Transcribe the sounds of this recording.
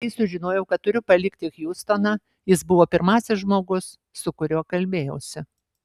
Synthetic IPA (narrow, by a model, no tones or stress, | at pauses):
ɐɪsʊʒʲɪnoːjɛʊkɐt̪t̪ʊɾʲʊpɐlʲɪkt̪ʲɪxjuːst̪oːnɑː | jɪsbʊʋoːpʲɪɾmɑːsʲɪsʒmoːɡʊs | sʊkʊɾʲuːkɐlʲbʲeːjɛʊsʲɪ